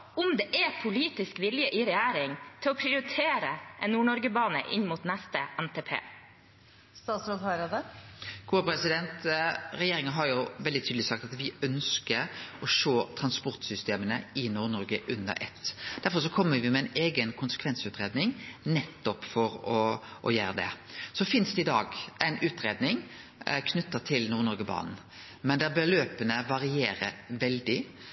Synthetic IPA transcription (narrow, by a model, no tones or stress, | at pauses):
ʊmd̪ɛʔɛpʰʊliːt̪ɪskʋɪljəʔɪɾɛjæːɾɪŋt̪ʰɪlɔpʰɾɪʊɾɪt̪ʰeːɾəʔɛnːuːɳɔɾɡəbɑːnə̰ʔɪ̰nmʊt̪næst̪əʔɛnt̪ʰeːpʰḛː | st̪ɑːt̪sod̪hɑɾɑd̪əɡ̥uːəpʰɾɛsɪd̪ɛnt̪ɾɛjeːɾɪŋənɦɑɾjʊʋɛld̪ɪt̪ʰyd̪lɪsɑk̚t̪ɑt̪ʋɪœnskəɾɔʂoːt̪ʰɾɑnspɔɾt̪sʏst̪eːmənə̰ɪnuːɾnɔɾɡəʔʉnə̰ɾʔɛ̰t̪ːd̪̥æɾfɔʂɔkʰɔmːəɾʋɪmɛæɪneːɡənkʰʊnsə̥kʰʋɛnsʉːt̪ɾeːd̪nɪŋnɛt̪ːɔpfɔɾɔʔɔ̰jæːɾəd̪ɛ̰sɔfɪnsd̪ɛɪd̪ɑːɡʔæɪnʉːt̪ɾeːd̪nɪŋ | kʰnʉt̪ːət̪ʰɪlnuːɾnɔɾɡəbɑ̰ːnn̩ | mɛnd̪ɛbəløːpənəʋɑɾɪeːɾə̰ɾʋɛld̪ɪ